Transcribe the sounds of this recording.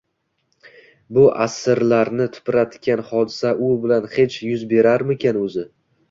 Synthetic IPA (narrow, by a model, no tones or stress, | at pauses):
bʊʔasɪɾlaɾnɪt̪ʰʊ̥pɾat̪kʲʰanhɒd̪ɪsaʔʊbɪlanhe̞t͡ʃjʊzbe̞ɾaɾmɪkʲʰanɵzɪ